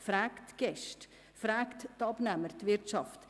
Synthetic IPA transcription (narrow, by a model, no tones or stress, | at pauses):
fɾɛːktɡ̥ɛʃt | fɾɛːkttɑbnæməɾt̪vɪɾtʃɑft